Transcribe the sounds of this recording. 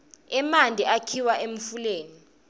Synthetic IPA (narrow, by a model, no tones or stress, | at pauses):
ɛmandʱiakʰiwaʔem̩fuleːni